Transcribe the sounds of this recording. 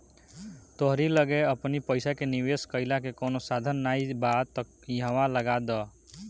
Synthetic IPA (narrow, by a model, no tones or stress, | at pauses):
t̪oɦɾiləɡeəpnipəɪsakeniweskəɪlakekoːnosad̪ʱənːaibad̪t̪ək | jɦəʋaləɡad̪ɔ